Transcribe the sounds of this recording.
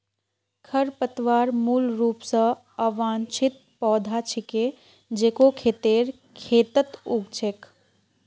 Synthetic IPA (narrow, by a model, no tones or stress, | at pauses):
kʰəɾpət̪ʋaːɾmuːlɾuːpsə̃ | əʋaːnt͡ʃʰit̪̚pɔːd̪ʱat͡ʃʰike | d͡ʒeːkokʰeːt̪eːɾ | kʰeːt̪ət̪uɡt͡ʃʰek